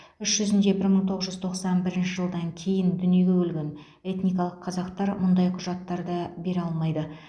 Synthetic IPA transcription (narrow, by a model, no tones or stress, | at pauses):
ʏʃʒ̥ʏzɪnd̪ebɪɾməɴt̪ʰoʁəzʒʏzt̪ʰo̞qsɑnbɪɾɪnʃɪʒəlˠd̪ɑŋkʲʰe̞jɪnd̪ʏnije̞ɡʲe̞wɵlɡʲe̞n | e̞t̪nijkɑlˠəqʰɑzɑqt̪ɑɾmʊnd̪ɑjqʰʊʒɑt̪ːɑɾd̪ɑbe̞ɾɑlˠmɑjd̪ə